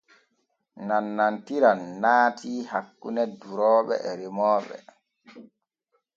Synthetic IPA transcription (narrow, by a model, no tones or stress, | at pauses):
nanːantiɾanːaːtʰiːhakːunɛduɾɔːɓɛ̰ɛɾimɔːɓɛ̰